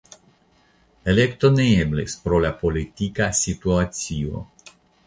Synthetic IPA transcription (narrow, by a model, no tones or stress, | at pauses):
elekt̪oneeblespɾolapolit̪ikasit̪uat̪sio̰